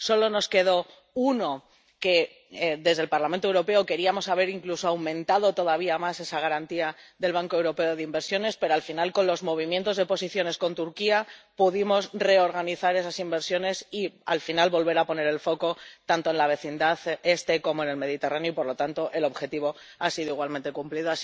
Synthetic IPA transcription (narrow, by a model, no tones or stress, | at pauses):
so̞lo̞no̞ske̞ð̞o̞ | uno̞ | ke̞ | ðe̞zðe̞lpaɾlamẽnt̪owɾope̞o̞ke̞ɾiamo̞saβ̞e̞ɾiŋkluso̞awmẽ̞nt̪að̞o̞t̪o̞ðaβiamase̞saɣ̞aɾant̪iaðe̞lβ̞aŋkoe̞wɾo̞pe̞oðeimbe̞ɾsjo̞ne̞spe̞ɾoalfinalko̞nlo̞zmo̞β̞imje̞nt̪o̞zðe̞po̞siθjo̞ne̞sko̞nt̪uɾkiapuðimo̞sre̞o̞ɾɣaniθaɾe̞sasimbe̞ɾsjo̞ne̞sialfinalβo̞lβ̞e̞ɾapo̞ne̞ɾe̞lfo̞ko̞t̪ant̪oe̞nlaβe̞θind̪aθe̞st̪e̞ko̞mo̞e̞ne̞lme̞ð̞it̪e̞ranjoipo̞ɾlo̞t̪ant̪o̞ʔe̞lo̞βxe̞t̪iβo̞asiðoiɣwalment̪ekumpliðoa